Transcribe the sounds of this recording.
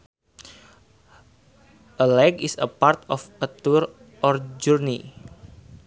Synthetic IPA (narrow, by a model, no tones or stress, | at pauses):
ʔəlɛkisəpart̪ɔfət̪uɾ | ʔɔrd͡ʒurni